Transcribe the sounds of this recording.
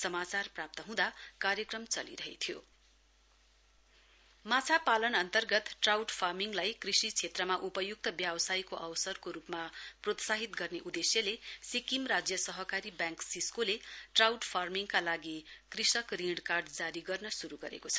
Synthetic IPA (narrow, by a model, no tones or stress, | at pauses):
sʌmat͡sarprap̚t̪ʌɦũd̪akaɾjʌkrʌmt͡sʌlḭɾʌɦḛt̪ʰjo̰ | mat͡sʰapalʌnʌnt̪ʌrɡʌt̪ʈrawʈpʰarmiŋlajkrisit͡sʰet̪rʌmaʔupʌjuk̚t̪ʌbjabsajkoʔʌwsʌrkoɾupmaprot̪saɦit̪ɡʌrneʔud̪esjʌlesikimrad͡zjʌsʌɦʌkaɾibjãŋksiskoleʈrawʈpʰarmiŋkalaɡikrisʌkriɽkarɖd͡zaɾiɡʌrnʌsuɾuɡʌɾḛkot͡sʰʌ̥